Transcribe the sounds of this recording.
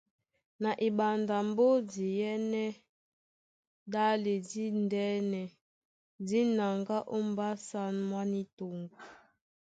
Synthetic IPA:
na˨ʔi˨ba˨nda˨m˦bo˦di˨jɛ˦nɛ˦ | da˦le˨di˦ndɛ˦nɛ˨ | di˦na˨ŋɡa˦ʔo˦m˨˦ba˦sa˦nmwa˦ni˦to˨ŋɡu˨

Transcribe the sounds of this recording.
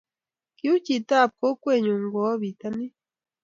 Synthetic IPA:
ki˦u˦ci˨ta˦˨p̚ko˦kweː˦˨ɲu˨ŋɡo˨˦βi˨ta˦ni˦

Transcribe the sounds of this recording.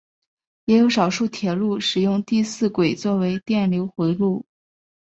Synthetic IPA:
jɛ˧˥jo˧˥ʊʂɑ˨˩ʊʂu˥˩t̪ʰjɛ˨˩lu˥˩ʂɻ̩˨˩jʊ˥˧ŋt̪i˥˧sɹ̩˥˩kwe˨˩ɪt͡swɔ˥˩we˧˥ɪt̪jɛ˥˩nljo˧˥ʊxwe˧˥ɪlu˥˩

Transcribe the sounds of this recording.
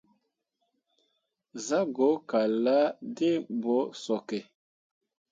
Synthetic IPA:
za˦ɡo˨˦ka˨la˦de˦bɔ˨˦sɔ˨kɛ˨

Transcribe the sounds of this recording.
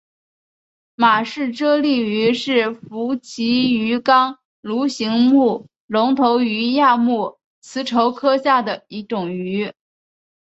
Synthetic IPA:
ma˨˩ʂɻ̩˥˩ʈ͡ʂɤ˥li˥˩y˧˥ʂɻ̩˥˩fu˧˥t͡ɕʰi˧˥y˧˥kɑ˥ŋ | lu˧˥ɕi˧˥ŋmu˥˩ | lʊ˧˥ŋt̪ʰo˧˥ʊy˧˥ja˥˧mu˥˩ | t͡sʰɹ̩˧˥ʈ͡ʂʰo˧˥ʊkʰɤ˥ɕja˥˩d̪ə˩i˧˥ʈ͡ʂʊ˨˩ŋy˧˥

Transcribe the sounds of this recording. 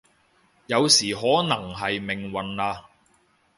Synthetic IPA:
jɐ˨˧wsiː˨˩ɦɔː˨˥nɐ˨˩ŋɦɐ˨jmɪ˨˩ŋwɐ˨nlaː˧

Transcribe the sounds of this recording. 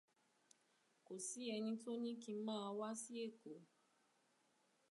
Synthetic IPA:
ko˨si˨˦ɛ˧nĩ˧to˦nĩ˦kĩ˧˦mãː˦˧wa˦si˦e˦˨ko˨˦

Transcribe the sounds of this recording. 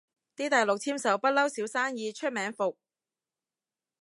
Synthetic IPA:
t̪iː˥t̪ɐ˨jlʊ˨k̚t͡sʰiː˥msɐ˨˥wpɐ˥t̚lɐ˥wsiː˨˥wsaː˥njiː˧t͡ʃʰɵ˥t̚mɛː˨˥ŋfʊ˨k̚

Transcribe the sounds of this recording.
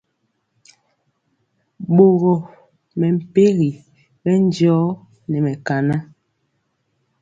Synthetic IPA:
ɓo˨ɣɔ˨ | mɛ˨m̩˨pe˦ɣi˨ | bɛ˦n˦d͡ʒɔː˨˦ | nɛ˨mɛ˨ka˨na˦

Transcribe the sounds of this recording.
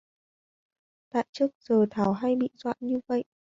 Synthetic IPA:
t̪a̰ː˧˨jt͡ɕɨ˦˥ək̚z̥əː˨˩t̪ʰaː˨˩wɦa˧jɓḭ˧˨zwa̰ː˧˨nɲɨ˧və̰˧˨jʔ

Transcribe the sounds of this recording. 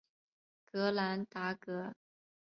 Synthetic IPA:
kɤ˧˥la˧˥nt̪a˧˥kɤ˧˥

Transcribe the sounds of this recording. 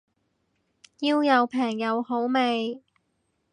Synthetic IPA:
jiː˧wjɐ˨˧wpʰɛː˨˩ŋjɐ˨˧who˨˥wme˨˧j

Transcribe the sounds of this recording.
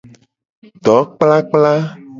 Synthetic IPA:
ɖ̪ɔ˨˦k͡pla˦k͡pla˦

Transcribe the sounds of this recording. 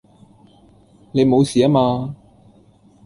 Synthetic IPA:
ne˨˧jmo˨˧wsiː˨˩aː˥maː˧

